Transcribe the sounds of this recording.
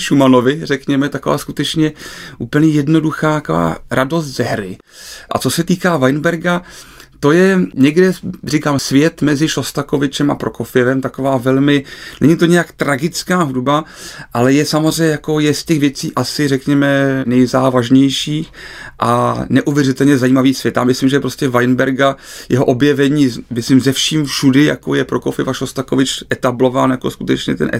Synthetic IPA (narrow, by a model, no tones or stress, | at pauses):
ʃumano̞vɪrɛkɲɛmɛt̪ako̞va̰ːskut̪ɛt͡ʃɲɛʔuːpl̩ɲɛjɛdno̞duxaːt̪ako̞va̰ːɾʔado̞st̪z̥ɛɦɾɪ | ʔa̰t͡so̞sɛt̪iːkaːvajnbɛɾɡat̪o̞jɛɲɛɡdɛrikaːmsvjɛt̪mɛzɪʃo̞st̪ako̞vɪt͡ʃɛma̰pɾʔo̞ko̞fɪjɛvɛmt̪ako̞vaːvɛlmɪnɛ̰ɲɪt̪o̞ɲɛjakt̪ɾaɡɪt͡skaːɦudbaʔalɛjɛsamozr̝ɛjɲɛjako̞jɛscɛɣvjɛt͡siːʔasɪrɛkɲɛmɛnɛjzaːvaʒɲɛjʃiːxʔa̰nɛʔuvjɛrɪt̪ɛlɲɛzajiːmaviːsv̥jɛt̪amɪslimʒɛpɾo̞scɛvajnbɛɾɡajɛɦoʔobjɛvɛɲiːmɪslimzɛfʃiːmfʃudɪja̰kojɛpɾokofɪɛvaʃost̪ako̞vɪt͡ʃʔɛt̪ablo̞vaːnjako̞skut̪ɛt͡ʃɲɛ̰t̪ɛ̰nʔɛ